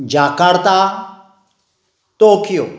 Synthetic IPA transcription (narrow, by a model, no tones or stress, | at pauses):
d͡ʒakaɽt̪a | t̪okijo